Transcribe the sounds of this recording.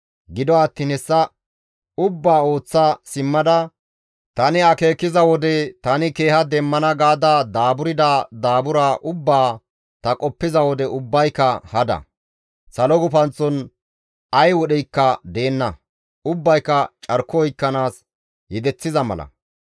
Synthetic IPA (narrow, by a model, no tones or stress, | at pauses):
ɡɪd̪ɔɐt̪ːiːnhɛsːɐ | ʊbːaːo̞ːt͡sːasɪmːɐd̪ɐ | t̪ɐnɪɐke̞ːkːɪzɐwɔd̪ɛt̪ɐnɪke̞ːhɐd̪ɛmːɐnɐɡaːd̪ad̪aːbʊɾɪd̪aːd̪aːbʊɾaːʔʊbːaː | t̪ɐkʼɔpːɪzɐwɔd̪ɛʔʊbːɐjkːɐhɐd̪ɐ̰ | sɐlɔɡʊpɐnt͡sːɔn | ɐjwɔɗɛjkːɐd̪e̞ːnːɐ | ʊbːɐjkːɐt͡ʃʼɐɾkːɔɔjkːɐnaːs | jɛd̪ɛt͡sːɪzɐmɐ̰lɐ̰